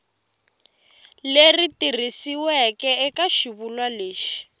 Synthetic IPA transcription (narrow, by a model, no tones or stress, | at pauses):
leritirisiwɛkɛɛkaʃiβulwaleːʃi̥